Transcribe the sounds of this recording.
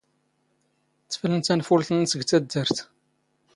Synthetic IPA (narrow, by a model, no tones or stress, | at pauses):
θːə̥flənt̪ænfʊlθənːsəɡt͡sːæd̪ːəɾθ